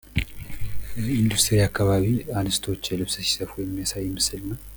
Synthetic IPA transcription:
ind̪ust̪ʰəɾiakːaβaβiandɨst̪ʰo̞t͡ʃːlɨβsəsi̥səfujɛmːijasajːɪmɨsɨlna

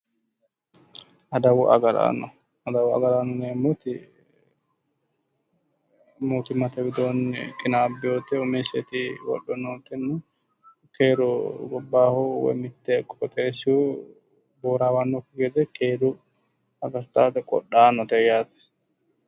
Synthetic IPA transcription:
ɐd̪ɐwʊʔɐ̰ɡɐla̰ːnɔ | ɐd̪ɐwɐ̰ɡɐlaːnːɔneːmːot̪ɪ | muːt̪ɪmɐt̪ɛbɪd̪oːn̰kʼɪnaːbːɪjoːt̪ːɛʊmeːsɛt̪ɪwɔ̰ɗɔnoːt̪ːɛnːʊ | keːɾɔɡɔbːaːhowɛ̰mɪt̪ːɛkʼːɔt̪ʼeːsu | boːɾaːwanːɔkːʊɡɛd̪ɛkeːd̪ʊ | ɐɡɐɾt̪aːt̪ɛkʼɔ̰ɗaːnːɔt̪ɛjaːt̪ɛ̥

